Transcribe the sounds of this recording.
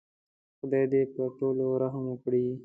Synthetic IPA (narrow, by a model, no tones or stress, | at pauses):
xʊd̪ajd̪epəʈoloɾaɦəmʊkɽi